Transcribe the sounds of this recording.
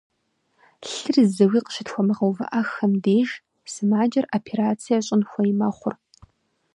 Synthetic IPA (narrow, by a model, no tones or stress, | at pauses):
ɬɨrzɐwiːqə̥ɕɪtxʷɔmɨʁɐwvɐ̰ʔɐxɐmdeːʒ | sɨmaːd͡ʒɐrʔopʰeɾaːt͡sʰijɐɕʼɪnxʷɐjɪmɐχʷʊr